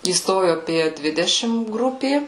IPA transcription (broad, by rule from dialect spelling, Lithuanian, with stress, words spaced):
iːˈstoːjʊ ɐˈpʲiɛ ˈdʲʋʲɪdʲɛʃʲɪm ˈɡrʊpʲeː